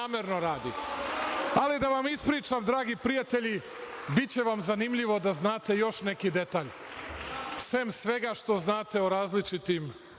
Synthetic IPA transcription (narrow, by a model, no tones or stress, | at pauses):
aːmeɾno̞ɾaːd̪ḭ | alid̪aʋamispɾiːt͡ʃamd̪ɾaːɡipɾijat̪eʎi | bitt͡ɕe̞ʋamzanimʎiʋo̞d̪aznaːt̪e̞jo̞ʃne̞kid̪e̞t̪aːʎ | fse̞msʋe̞ɡaʃt̪o̞znaːt̪e̞oɾaːzlit͡ʃit̪im